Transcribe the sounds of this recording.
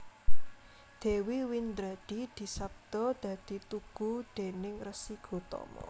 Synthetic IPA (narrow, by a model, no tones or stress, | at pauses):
d̪̥e̤wiwind̪ɾad̪̥i̤d̪̥i̤sap̚d̪̥ɔd̪̥ä̤d̪̥i̤t̪uɡ̥ud̪̥e̤nɪŋrəsiɡ̥o̤t̪ɔ̰mɔ̰